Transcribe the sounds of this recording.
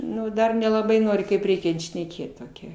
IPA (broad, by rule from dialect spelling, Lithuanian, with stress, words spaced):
ˈnʊ ˈdɐr nʲɛlˠɐˈbɐɪ ˈnoːrʲɪ kɐɪp ˈrʲɛɪkʲɛnt ʃʲnʲɛˈkʲeːt toːˈkʲɛ